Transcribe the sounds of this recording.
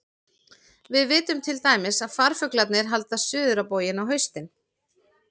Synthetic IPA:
vɪðvɪːt̪ʏmt̪ʰɪlt̪aːjmɪsaðfaɾ̥fʏklat̪̚nɪɾ̥ɦal̪t̪asʏːðʏɾapoːwjɪnawɦœɥst̪ɪn

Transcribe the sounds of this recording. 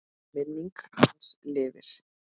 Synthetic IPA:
mɪniŋkanslɪːvɪ̰ɾ̥

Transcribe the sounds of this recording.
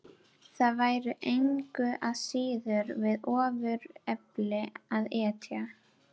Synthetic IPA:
θaðvaːjɾʏʔejŋkʏʔaðsiːðʏɾvɪðɔːvʏɾɛplɪaðɛːt̪ʰja

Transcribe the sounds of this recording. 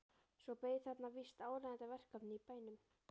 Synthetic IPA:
svɔpejθat̪navist̪aːwlaðnt̪avɛr̥kapnɪipaːjnʏm

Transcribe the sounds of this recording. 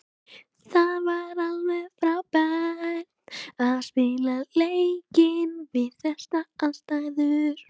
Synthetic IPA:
θaðvaɾalvɛɣfɾawpanaðspɪlalejcɪnvɪðθɛst̪aanst̪aɣðʏɾ̥

